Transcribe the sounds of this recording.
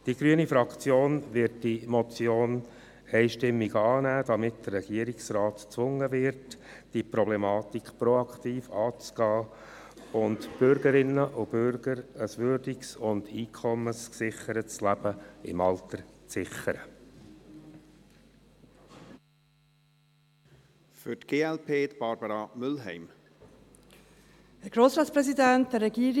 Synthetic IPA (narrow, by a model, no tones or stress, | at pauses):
d̥iɡ̥ɾyənifɾɑkt͡sjoːnʋɪɾt̚dimɔt͡sjoːn | ɛɪʃtɪmːiɡɑːnæːd̥ɑmɪtdərːɛɡ̥iəɾiksrɑːtt͡sʋʊŋːəʋɪɾt | d̥ipɾɔblɛmɑːt̪ikχpɾɔɑkχtiːfɑːt͡sɡ̥ɑː | ʊndb̥ʏɾɡəɾɪnːəʔʊb̥ʏɾɡ̥əɾəsʋʏɾdiksʊnd̥iːkʰɔməsksɪχəɾətt͡slæb̥əɪ̰mɑlt̪əɾt͡sɪχəɾə | fʏtɡ̥eːɛlpʰeːt̪b̥ɑɾbəɾɑmʏlɦɛɪm | hæɾɡ̥ɾoːsɾɑːtt͡spɾɛsidæntd̥ɛɾɛɡiːɾ